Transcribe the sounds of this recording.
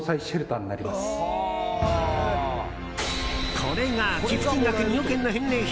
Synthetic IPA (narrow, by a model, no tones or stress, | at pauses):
saiɕɯɾɯt̪ãnːa̰ɾʲimasɨ̥ | kʰoɾe̞ɡakʲiɨkʲiakɯ̟ɲiokẽnːoɦẽnːẽŋç